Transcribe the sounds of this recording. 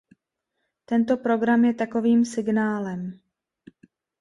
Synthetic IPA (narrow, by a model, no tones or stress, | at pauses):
t̪ɛnt̪o̞pɾo̞ɡɾamjɛt̪ako̞viːmsɪɡnaːlɛm